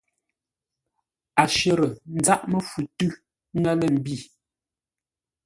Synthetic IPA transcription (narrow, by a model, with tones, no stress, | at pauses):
a˨ʃə˦˨ɾə˨n̩˦d͡za˦ʔmə˦fu˨tʉ˦ | ŋɛ˦lə˦˨m̩˨bi˦˨